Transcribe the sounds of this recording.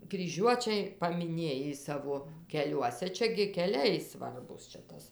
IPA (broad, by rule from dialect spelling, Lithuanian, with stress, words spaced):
krʲiːˈʒʲuɔt͡ʃʲɛɪ pɐmʲɪˈnʲeːjiː ˈsɑːʋoː kʲɛˈlʲuɔsʲɛ ˈt͡ʃʲɛ ɡʲɪ kʲɛˈlʲɛɪ ˈsʋɐrbuːs t͡ʃʲɛ ˈtɐs